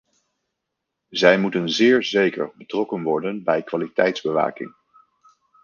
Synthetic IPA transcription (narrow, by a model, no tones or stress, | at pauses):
zɛjmutənzɪːɹzejkə̰ɹbətrɔkənʋɔɹdənbɛjkʋaːlitɛjtzbəʋa̰ːkɪ̰ŋ